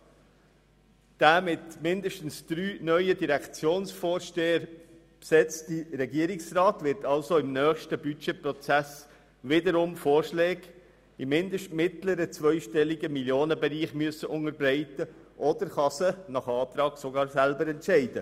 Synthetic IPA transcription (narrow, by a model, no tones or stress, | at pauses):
d̥æːmɪtmɪndəʃtən̩sd̥ɾyːnœʏədiɾækt͡sjoːnsfoːɾʃteːəɾ | psɛt͡stiɾɛɡiəɾɪksrɑːtʋɪɾtɑlsoɪmnœːχʃtəbyt͡ʃeprɔt͡sæs | ʋɪdəɾʊmfoːrʃlɛːɡ | ɪmːɪndəʃtmɪtləɾət͡sʋœʏʃtɛliɡəmiljoːnəbɛɾiːχmyəsːəʔʊŋəɾbɾɛɪtə | ʔɔd̥əɾχɑsənɑχɑːt̪ɾɑːɡ̥soɡɑːɾsælbəɾɛntʃɛɪd̥ə